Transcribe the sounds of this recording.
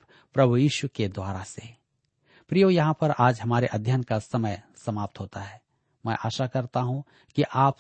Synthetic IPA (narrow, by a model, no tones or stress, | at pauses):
pɾɐbʱujiːʃuked̪waːɾase | pɾijojɐɦãpɐɾaːd͡ʒɦɐmaːɾeʔɐd̪ʱjənkasɐməjsɐmaːp̚t̪ɦoːt̪aɦɛː | mɛ̃ːʔaːʃakɐɾt̪aɦũ | kiʔaːp